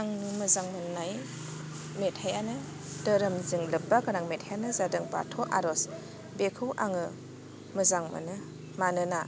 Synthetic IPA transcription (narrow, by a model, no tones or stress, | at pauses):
aŋmɯzaŋmɯnːaj | metʰhajanɯ | dəɾɯmzɯŋlɯpːaɡɯɾaŋmetʰajanɯzadɯŋpa̰tʰɔʔa̰ɾɔs | bekʰɯwʔaŋɯ | mɯzaŋma̰nɯ | manɯna